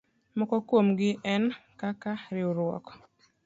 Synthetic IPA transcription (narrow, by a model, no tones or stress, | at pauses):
mɔkɔkwomɡɪʔɛnkakaɾɪoɾwɔ̰kɔ̥